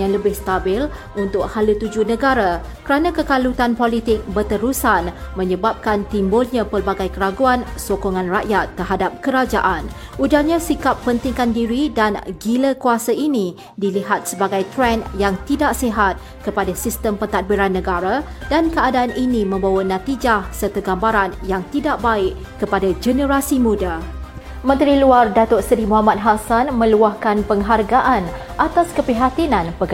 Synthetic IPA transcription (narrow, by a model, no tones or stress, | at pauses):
jaŋləbɪhst̪abɪl | unt̪ʊk̚halut̪ud͡ʒunə̃ɡaɾa | kəɾanãkəkalut̪anpolit̪ɪk̚bərt̪əɾusanmə̃ɲəbap̚kant̪imbʊlɲãpərbaɡajkəɾaɡuansokoŋãnraʔjat̪ːərɦadap̚kəɾad͡ʒaʔan | ʔud͡ʒalɲãsikapːənt̪iŋkandiɾidanɡiləkuasainĩ | diliɦat̪̚səbaɡajt̪ɾɛnjaŋt̪idaʔsiɦat̪̚ | kəpadasist̪əmpənt̪at̪̚biɾanːə̃ɡaɾa | dankəadaːnʔinimə̃mbawanãt̪id͡ʒahsərt̪əɡambaɾanjaŋt̪idaʔbaɪʔ | kəpadad͡ʒənə̃ɾasimũda | mə̃nt̪ɾiluardat̪ʊtsɾimuɦamat̪̚ɦasanmə̃luahkanpəŋɦarɡaʔan | ʔat̪askəpiɦat̪inãnpəɡ